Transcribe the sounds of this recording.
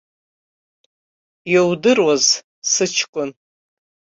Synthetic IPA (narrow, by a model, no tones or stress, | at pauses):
jawdɨrwaz | sɨt͡ʃʰkʷʼʊn